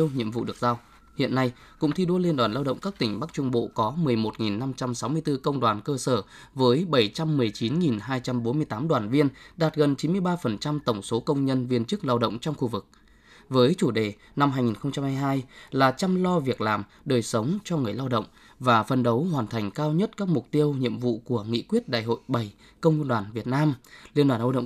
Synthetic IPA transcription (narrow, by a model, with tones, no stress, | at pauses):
wɲḭ˧˨əmvṵ˧˨ɗɨ˨˩ək̚zaː˧w | hḭ˧˨ənːa˧j | kʊ̰˧˥ŋ͡mt̪ʰi˧ɗo˧li˧ənɗwaː˨˩nlaː˧wɗə̰˧˨ŋ͡mkaː˦˥k̚t̪ï˧˩ŋ̟ɓa˦˥k̚t͡ɕʊ˧ŋ͡mɓo̰˧˨kɔ˨˦mɨ˨˩əjmo˨˩t̚ŋi˨˩nːa˧mt͡ɕa˧msa˨˦wmɨ˧ət̪ɨ˧kə˧wŋ͡mɗwaː˨˩nkəː˧səː˧˩ | vəː˨˦jɓə˧˩jt͡ɕa˧mːɨ˨˩əjt͡ɕi˨˦nŋi˨˩nɦaː˧jt͡ɕa˧mɓo˨˦nmɨ˧əjt̪aː˨˦mɗwaː˨˩nvi˧ənɗaː˨˩t̚ɣə˨˩nt͡ɕi˨˦nmɨ˧əjɓaː˧fə˨˩nt͡ɕa˧mt̪ə˧˩wŋ͡mso˨˦kə˧wŋ͡mɲə˧nvi˧ənt͡ɕɨ˦˥k̚laː˧wɗə̰˧˨wŋ͡mt͡ɕɔ˧wŋ͡mxu˧vɨ˨˩k̚ | vəː˨˦jt͡ɕu˧˩ɗe˨˧˩ | na˧mɦaː˧jŋi˨˩nxə˧wŋ͡mt͡ɕa˧mhaː˧jɦaː˧jlaː˨˩t͡ɕa˧mlɔ˧vi˨˩ək̚laː˨˩m | ɗəː˨˩jsə˨˦wŋ͡mt͡ɕɔ˧ŋɨ˨˩əjlaː˧wɗə̰˧˨wŋ͡m | vaː˨˩fə˨˩nɗə˨˦wɦwaː˨˩nt̪ʰa˨˩jŋ̟kaː˧wɲə˦˥t̚kaː˦˥k̚mʊ˨˩k͡p̚t̪i˧əwɲḭ˧˨əmvṵ˧˨ku˧˩əŋḭ˧˨kwi˦˥ət̚ɗa̰ː˧˨jɦo̰˧˨jɓə˨˩j | kə˧wŋ͡mɗwaː˨˩nvi˨˩ət̚naː˧mli˧ənɗwaː˨˩nlə˧wɗə̰˧˨